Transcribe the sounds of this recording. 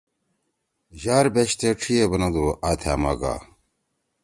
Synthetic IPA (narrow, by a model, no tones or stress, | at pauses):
ʑaːɾbeɕt̪eʈ͡ʂʰijebɐnɐd̪uʔaːt̪ʰa̰ːmaɡa̰ː